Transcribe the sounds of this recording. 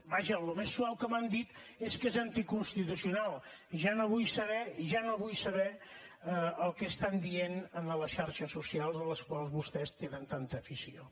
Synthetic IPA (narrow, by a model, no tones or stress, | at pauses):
baʒəlumesːuawkəmand̪it̪eskezənt̪ikunst̪it̪usiunalˠ | ʒanoβujsəβɛʒanoβujsəβɛəəlˠkəst̪and̪ienənələʃaɾʃəsusialˠzələskwalˠzβust̪ɛst̪enənt̪ant̪əːfisio